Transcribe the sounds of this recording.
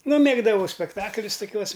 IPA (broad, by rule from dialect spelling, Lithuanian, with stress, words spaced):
ˈnʊ ˈmʲeːɡdɐʋɐʊ sʲpʲɛkˈtɑːklʲʊs toːˈkʲuɔs